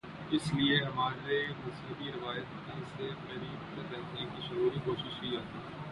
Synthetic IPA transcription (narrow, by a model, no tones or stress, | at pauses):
ɪslieɐmaːɾɾemʊsiːbiɾɪʋaːjət̪nesemɐɾiːbtɐɾːɛɦkʰnekiʃʊɾuːɾikoːʃɪʃkiːɦɐt̪iː